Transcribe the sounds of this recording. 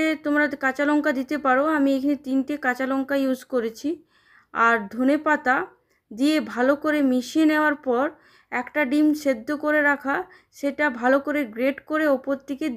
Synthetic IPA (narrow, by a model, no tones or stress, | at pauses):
et̪omɾakat͡ɕalɔŋkad̪it̪epaɾoamiekʰanet̪inʈekãt͡ɕalɔŋkajud͡ʑkoɾet͡ɕʰi | aɾd̪ʱonepat̪a | d̪iebʱalokoɾemiʃieneoaɾpɔɾ | ɛkʈaɖimʃed̪ʱːokoɾeɾakʰa | ʃeʈabʱalokoɾeɡɾeɖkoɾeɔpoɾt̪ʰːike